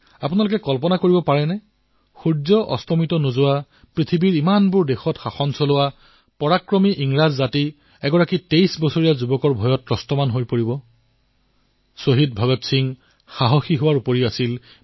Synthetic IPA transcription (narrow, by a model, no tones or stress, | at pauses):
apunalʊkɛkɔlpɔnakoɹibɔpaɹɛnɛ | xudzɔʔɔ̰stɔmitɔnozʊwa | pɹitʰibiɹimanbʊɹdexɔtxaxɔnsɔlʊwa | pɔɹakɹɔmiʔiŋɹazːati | ɛɡɔɹakitejsbɔsoɹijazubɔkɔɹbʱɔjɔtɹɔstɔmanɦojpoɹibɔ | soɦid̚bʱɔɡɔtsiŋ | xaɦɔxiɦʊwaɹupoɹiasil